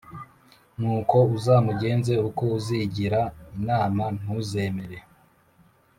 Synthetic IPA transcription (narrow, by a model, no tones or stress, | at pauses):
nuːko̞uzaːmuɟe̞ːnze̞uko̞uziɟiɾainaːman̥huze̞meɾe̞